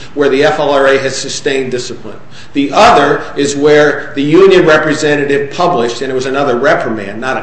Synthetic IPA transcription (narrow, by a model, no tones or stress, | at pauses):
wə˞ðiɛfɛlˠəɹeɪɨz̥sɨstẽɪ̃ndɪsəpʰlə̰̃n | ðiʔʌðə˞ɪzwə˞ðɨjʉ̃njɨ̃nɹɛpɹɨzɛ̃ɾɨɾɪv̥pʰʌblɪʃtɨ̃nɨt̚wʌzɨnʌðə˞ɹɛpʰəmæ̰̃nːəɾɨ